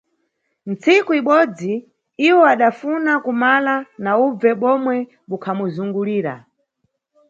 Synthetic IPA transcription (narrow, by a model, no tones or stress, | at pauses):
nt͡sikuiɓɔd͡zi | iwɔaɗafunakumalanaub͡vɛɓɔmwɛ | ɓukʰamuzuŋɡuliːɾa̰